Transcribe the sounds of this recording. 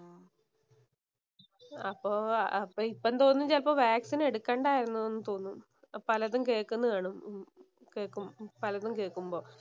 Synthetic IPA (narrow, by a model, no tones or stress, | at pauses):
ɐpːoːɐpːoipːɐnt̪o̞ːnːiɲd͡ʑaːlpoːʋjaːksine̞ɽukːeːɳɖaːjiɾunːɐðonːɨt̪o̞ːnːum | pɐlɐðumke̞ːkːunːuðaːɳu | keːɭkːumpɐlɐðumke̞ːɭkːumbo̞ː